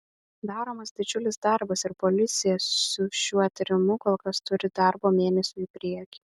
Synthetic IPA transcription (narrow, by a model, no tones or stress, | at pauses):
d̪ɑːɾoːmɐsd̪ʲɪd͡ʒʲʊlʲɪsd̪ɐɾbɐsɪɾpɔlʲɪt̪sʲɪjɛsʊʃʲuɔɐt̪ʲɾʲɪmʊkoːlˠkɐst̪ʊɾʲɪd̪ɐɾboːmʲeːnʲɛsʲuːipʲɾʲiɛkʲi